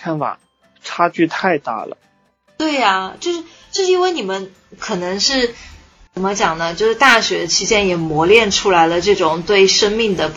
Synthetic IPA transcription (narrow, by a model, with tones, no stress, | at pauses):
a˥˩nfa̰˨˩˦ | ʈ͡ʂʰa˥t͡ɕy˥˧t̪ʰa˥˧ɪt̪a̰˥˩lə̰˩ | t̪we˥˩ɪɐ˩t͡ɕjo˥˧ʂɻ̩˥˩ | t͡ɕo˥˩ʂɻ̩˧i˥nwe˥˩ɪni˨˩mə˦n | kʰɤ˨˩nɤ˧˥ŋʂɻ̩˥˩ | t͡sə˨˩mə˦t͡ɕjɑ˨˩ŋnə˦t͡ɕjo˥˧ʊʂɻ̩˥˩t̪a˥˩ɕɥɛ˧˥t͡ɕʰi˥t͡ɕjɛ˥njɛ˨˩mwɔ˧˥ljɛ˥˩nʈ͡ʂʰu˥la˧˥ɪlə˧ʈ͡ʂɤ˥˩ʈ͡ʂʊ˨˩ŋt̪we˥˩ɪʂɤ˥ŋmi˥˩ŋd̪ə˩